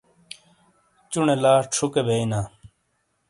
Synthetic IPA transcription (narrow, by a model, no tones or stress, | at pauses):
t͡ɕuɳelaːʈ͡ʂʰukebʱeːinaː